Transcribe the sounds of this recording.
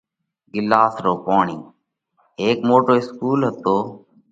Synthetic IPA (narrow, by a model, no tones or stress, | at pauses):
ɡɪlːaːsɾoːpoːɳiː | eːkmoːʈoːɪskuːlɦət̪oː